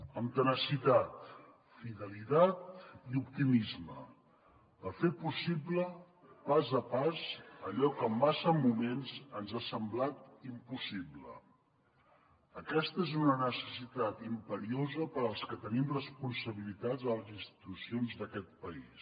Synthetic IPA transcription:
əmt̪ənəsit̪at̪ | fiðəlit̪at̪̚iup̚t̪imizmə̰ | pəɾfepusiblə | pazəpazəʎɔkəːmːasəmumenzənzasəmblat̪impusiβlə̰ | əkɛst̪əezunənəsə̥sit̪at̪impəɾiozəpəɾəlˠskət̪ənimrəspunsəβilit̪ad͡zəlˠəzinst̪i̥t̪usionzðəkɛt̪̚pəis

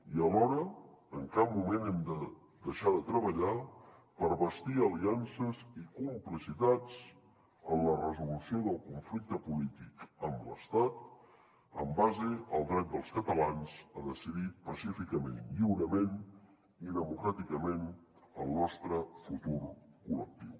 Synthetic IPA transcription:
iəlɔɾəːŋkap̚mumenɛmd̪ə | d̪əʃaðət̪ɾəβ̞əʎapəɾβəst̪iəliansəzikumplisit̪at͡s | ənlərəzulusioðəlˠkuɱflik̚t̪əpulit̪ikəmlə̰st̪at̪ | ə̰mbazeəlˠd̪ɾɛt̪̚d̪əlˠskət̪əlanzəðəsiðipəsifikəmḛnʎiwɾəmen | iðəmukɾat̪ikəmen | əlˠnɔst̪ɾəfut̪uɾkulək̚t̪iw

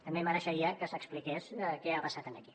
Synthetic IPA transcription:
t̪əmbeməɾəʃəɾiəkəzəksplikeskɛapəsat̪ənəki̥

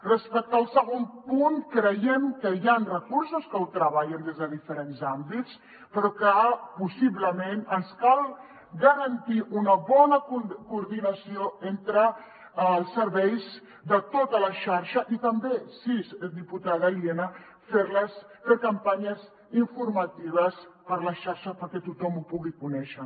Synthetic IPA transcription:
rəspɛk̚t̪aːlˠsəɣ̞ompunkɾəjemkəjanrəkuɾsuskəwt̪ɾəβaʎənd̪ezðəðifəɾenzambitt͡s | pəɾɔkəpusiβləmenənskalˠ | ɡəɾənt̪iʔunəβɔnəkkuːɾðinəsioent̪ɾə | lˠsːəɾβɛjz | d̪ət̪ot̪ələʃaɾʃəʔit̪əmbesisd̪iput̪aðəlienə | feɾləsfekəmpaɲəz | iɱfuɾmɐt̪iβəspəɾləʃaɾʃəpəɾkɛt̪ut̪ɔmupuɣikunɛʃə

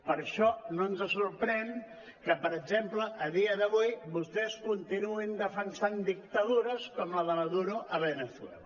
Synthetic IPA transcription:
pəɾʃɔnoənzəsuɾpɾɛn | kəpəɾəɡzempləʔəðiəðəβujβust̪ɛskunt̪inuind̪əfənsand̪ik̚t̪əðuɾəskɔmləðəməðuɾuʔəβənəθwɛ̰l

